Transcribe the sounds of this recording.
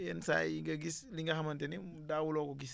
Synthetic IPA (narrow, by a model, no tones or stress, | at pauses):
jɛnsa̰iŋɡɐɡisliŋɡɐxɐmɐntɛni | daːwulɔkɔɡis